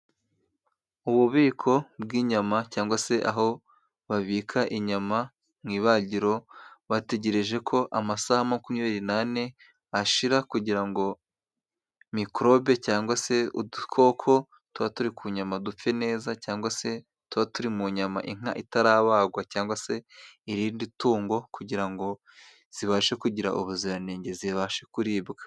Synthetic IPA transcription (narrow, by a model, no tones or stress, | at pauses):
uβuβiːkʰo̞b̚ɡiːɲamacaːŋɡwase̞ʔa̰ɦo̞ | βaβiːkʰaʔiɲama | miːβaɟiɾo̞βate̞ɟe̞ɾe̞ʒe̞kʰo̞ʔamasahamakumiβiɾinane̞ | aʃiɾakuɟiɾaŋɡo̞ | mikɾo̞be̞caːŋɡwase̞udukʰo̞kʰo̞ | tuβatuɾikʰuːɲamadup͡fe̞ne̞ːzacaːŋɡwase̞ | tuβatuɾimuɲama̰ʔiŋ̥aʔitaɾaːβaːɡwacaːŋɡwase̞iɾiːndituːŋɡo̞kuɟiɾaŋɡo̞ | z̥iβaʃekuɟiɾa̰ʔuβuziɾaneːɲɟe̞ziβaʃekuɾiːbɡa